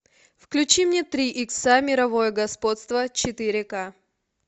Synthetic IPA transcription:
fklʲʉt͡ɕimnʲet̪ɾʲiʔiksamʲɪɾɐvo̞jəɡɐspo̞t̪st̪vət͡ɕɪt̪ɨɾʲɪka

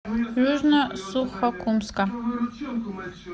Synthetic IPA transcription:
ʒʷʊʒnasuχakʷʰʊmskʼa

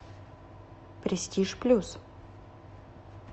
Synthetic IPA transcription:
pɾʲɪsʲtʲiʂplʲus

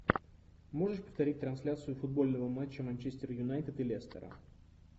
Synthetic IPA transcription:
mo̞ʐɨʂpəft̪ɐɾʲit̚ʲt̪ɾɐnsʲlʲat̪sɨjʊfʊd̪̚bo̞lʲnəvəmat͡ɕːəmɐnʲt͡ɕesʲtʲɪrjʊnajt̪ɪt̪ɨlʲest̪ə̰ɾə̰

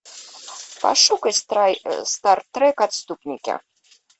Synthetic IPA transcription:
pa̰ʂukəsst̪art̪ːrɛkat̪st̪upnʲikʲɛ̰

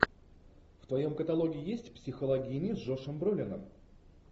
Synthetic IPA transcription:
ft̪vɐjo̞mkət̪ɐlˠo̞ɡʲɪɪjesʲtʲpsʲɪxəlˠɐɡʲinʲɪzʐo̞ʂəmbɾulʲɪnə̰m

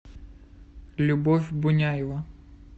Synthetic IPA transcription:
lʲubɔwʲbʊnʲajɛʋɐ

